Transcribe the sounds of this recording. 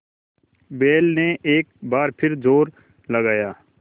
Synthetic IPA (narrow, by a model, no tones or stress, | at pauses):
beːlneʔeːk̚baːɾpʰɪɾd͡ʒoːɾ | lɐɡaːjaː